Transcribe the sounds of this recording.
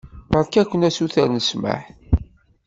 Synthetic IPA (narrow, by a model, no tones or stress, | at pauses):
əɾˤkækʷːənæsuθæɾnəsmə̰ħ